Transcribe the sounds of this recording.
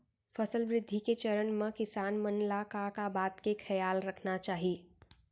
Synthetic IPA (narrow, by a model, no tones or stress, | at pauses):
fɐsəlʋɾɪd̪ʱːiket͡ʃɐɾənmə̃kɪsaːnmənlakakabaːt̪kekʰɐjaːlɾɐkʰnat͡ʃaːɦie